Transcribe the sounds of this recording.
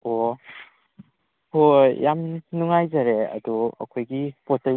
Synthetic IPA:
o | ojamnuŋajzaɾeɐ̰duɐ̰kʰojɡipotɐ

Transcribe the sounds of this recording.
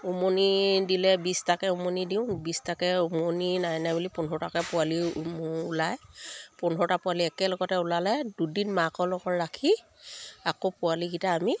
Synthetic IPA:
omonidilɛbistakɛumonidiʊ̃bistakɛumoninajnajbulipunɔɹɔtakɛpʊaliʊlajpunɔɔtapʊaliɛkɛlɔɡɔtɛʊlalɛdudinmakɔlɔɡɔɹɹakʰi | akopʊalikitaːmi

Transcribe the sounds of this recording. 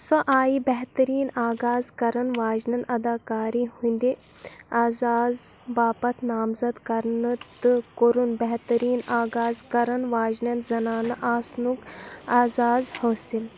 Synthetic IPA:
sɔʔaːjibɛɦt̪ɐɾiːnaːɡaːzkɐɾɐnʋaːʒnɐnɐd̪aːkaːɾiɦũnd̪i | aːzaːzʋaːpɐt̪ʰnaːmzɐd̪kɐɾnɨt̪ɨkoɾunbɛɦt̪ɐɾiːnaːɡaːzkɐɾɐnʋaːʒnɐnzɐnaːnɐʔaːsnukaːzaːzhoːsil

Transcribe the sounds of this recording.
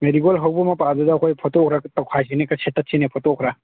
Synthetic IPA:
meɾiɡolɦɐwbɔmapadudakʰojpʰɔtɔkʰɾatɔwkʰajsinekɐsʰetːɐt̚sʰinepʰɔtɔkʰɾa

